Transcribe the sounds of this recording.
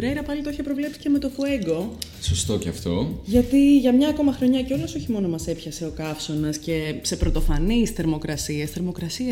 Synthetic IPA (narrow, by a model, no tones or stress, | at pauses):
ɾeɾɐpɐlit̪oeçepɾo̞vle̞psi̥ce̞me̞t̪o̞fue̞ɡo̞ | sost̪o̞ceɐft̪o̞ʝɐt̪iʝɐmɲɐko̞mɐxɾo̞ɲɐceo̞lɐso̞çimo̞no̞mɐse̞pçɐse̞o̞kɐfso̞nɐsce̞se̞pɾo̞t̪o̞fɐnisθe̞ɾmo̞kɾɐsiɐsθe̞ɾmo̞kɾɐsiɐ